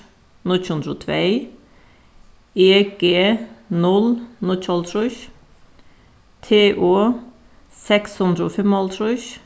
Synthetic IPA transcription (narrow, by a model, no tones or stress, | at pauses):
nʊt͡ʃʉnd̪ɾoːt̪ʰʋeɪ | eːɡ̥eːnɔlnɔc͡çʰɑlt̪ʰɾʊç | t̪ʰeːʔoː | sɛkshɵnd̪ɾəoːfɛmɑlt̪ʰɾʊç